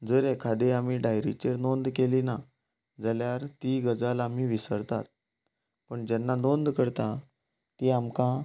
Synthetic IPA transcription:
d͡zəɾekʰad̪eam̤iɖajɾit͡ɕeɾnond̪kelina | d͡zəljaɾt̪iɡəd͡zalam̤iːʋisəɾt̪a̰t̪̚ | pəɳd͡ʑɛnːanond̪kəɾt̪ã | t̪iamkã

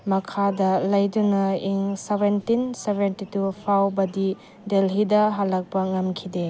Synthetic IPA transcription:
mɐkʰadɐlɐjdunɐiŋsebentinsebʱentitupʰawbɐdi | delɦidɐɦalɐk̚pɐŋɐmkʰide

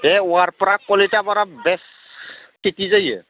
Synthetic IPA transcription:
ɛʊaɹpɔɾakɔlitabɔɾabɛs | kʰitizajɛ̰

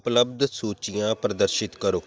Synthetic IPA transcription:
pləb̚d̪soːt͡ʃijãːpɾəd̪əɾʃɪt̪kəɾoː

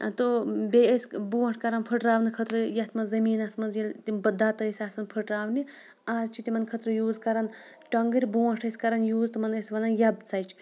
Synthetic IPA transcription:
t̪obeesʲbuːwɐ̃ʈʰkɐɾɐnpʰəʈɾaːʋnɨkʰɐt̪ɾɨjɐt̪ʰmɐnzɐmiːnɐsmɐnzjɐlt̪imbɐd̪ːaːt̪ɐsʲaːsɐnpʰəʈɾaːʋni | aːzt͡ʃʰit̪imɐnkʰɐt̪ɾɨjuːzkɐɾɐn | ʈɐŋɡɨɾʲbuwɐ̃ʈʰɐsʲkɐɾɐnjuːzt̪ɨmɐnɐsʲʋɐnɐnjɐb̚t͡sɐjt͡ʃʰ

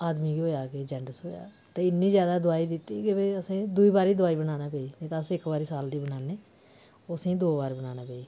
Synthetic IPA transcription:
aːd̪miːɡiɦoːjaːkeːd͡ʒɛ̃ːɳɖəsɦoːja̰ː | t̪eːɪnːĩːzjaːd̪aːd̪ʊaːiːd̪ɪt̪ːiːkebeːəsẽːd̪ʊiːbaːɾiːd̪ʊaːiːbənaːnaːpeːiːet̪ãːəsẽːɪkbaːɾiːsaːld̪iːbənaːneː | osẽːd̪oːbaːɾbənaːnaːpeːiː

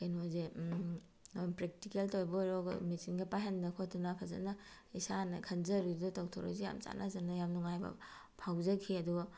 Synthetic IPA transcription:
kejnoze | pɾek̚tikeltojbɔjɾɔɡ̰misiŋɡɐpaɦendɐkʰot̚tunapʰɐzɐ̰nɐ | isanɐkʰɐnzɐɾidɔtawtʰoɾo̰jzeja̰msa̰nʔa̰zɐnɐjamnuŋajbɐ̰ | pʰawzɐkʰiɐduɡa

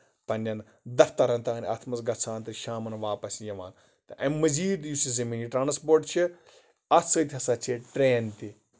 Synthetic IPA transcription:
pɐnʲɐn | d̪ɐft̪ɐɾɐnt̪ɐɐnʲɐ̰t̪ʰmɐsɡɐt͡sʰaːnt̪ɐʃaːmɐnʋaːpɐsʲijɐʋaːn | t̪ɐʔɐmmːɐziːd̪jusizɐmiːniʈɾaːnspoːɾʈt͡ʃʰi | ɐtsəːt̪ʲɦɐsat͡ʃʰeʈɾeːnt̪i

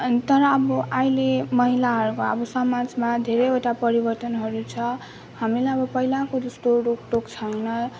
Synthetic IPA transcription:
t̪ʌɾʌːbʌʔajlemʌɦilaɦʌɾkoʌ̰bʌsʌmad͡zmad̪ʱeɾejeʈapʌɾibʌrt̪ʌnɦʌɾut͡sʰʌ | hamilajʌbʌpʌɦilakod̪usʈ̪oɖokʈokt͡sʰʌjnʌ

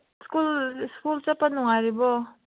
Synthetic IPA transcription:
skulskult͡sapanuŋaɾibɔ

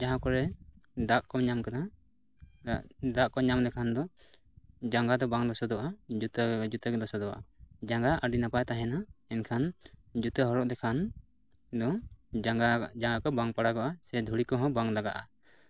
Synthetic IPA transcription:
d͡ʒaɦãkɔɾɛd̪aʔkɔɲamkana | d̪aʔkɔɲamd̪ɛkʰand̪ɔ | d͡ʒaŋɡad̪ɔbaŋd̪ɔsɔd̪ɔʔad͡ʒut̪əd͡ʒut̪əɡɛd̪ɔsɔd̪ɔwaa̰d͡ʒaŋɡaʔəɖinapajt̪aɦɛnaɛnkʰand͡ʒut̪əɦɔɾɔʔd̪ɛkʰan | d̪ɔɡad͡ʒaŋɡakɔbaŋpaɽaɡɔʔasɛd̪ʱuɽikɔɦɔ̃baŋlaɡaʔa

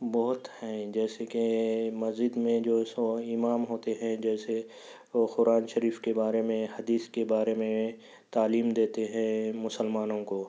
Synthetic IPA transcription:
bɔːɦʊt̪hɛ̃d͡ʒɛːsekemɐzɪd̪mẽd͡ʒoːsoɪmaːmɦoːt̪eɦɛ̃d͡ʒɛːse | xʊɾaːnʃɐɾiːfkebaːɾemẽhɐd̪iːskebaːɾemẽ | t̪aːliːmd̪eːt̪eɦɛ̃mʊsəlmaːnõkoː

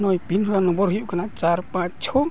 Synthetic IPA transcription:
nɔjpinɦɔɾanɔ̃mbɔɾɦujuʔkanat͡ʃaɾpãt͡ʃt͡ʃʰɔ

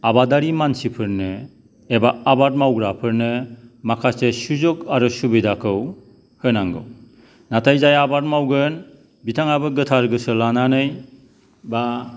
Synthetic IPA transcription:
abadaɾimansipʰɯɾnɯ | ebaːbat̚mawɡɾapʰɯɾnɯmakʰasesuzɔkaɾusubidakʰɯw | hɯnaŋɡɯ̰w | natʰajzajabat̚mawɡɯn | bitʰaŋabɯɡɯtʰaɾɡɯsɯlananɯj | ba

